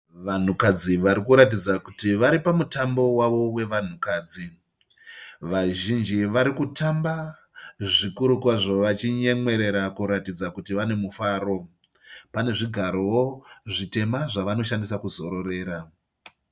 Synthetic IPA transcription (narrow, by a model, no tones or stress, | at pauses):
ʋan̤ukad͡ziʋaɾikuɾat̬id͡zakutiʋaɾipamutambo̞waʋo̞we̞ʋan̤ukaːd͡zi | ʋaʒind͡ʒiʋaɾikutamba | ʐikuɾukwaʐoʋat͡ʃiɲe̞mwe̞ɾe̞ɾakuɾatid͡zakutiʋane̞mufaːɾo̞ | pane̞ʐiɡʱaɾo̞woʐite̞maʐaʋano̞ʃandisakuzo̞ɾo̞re̞ːɾa